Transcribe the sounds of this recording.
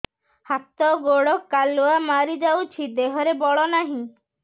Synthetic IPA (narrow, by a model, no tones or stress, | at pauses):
hat̪ɔɡoɽɔkaluamaɾid͡ʒawt͡ʃʰid̪eɦɔɾebɔɭɔnaɦĩ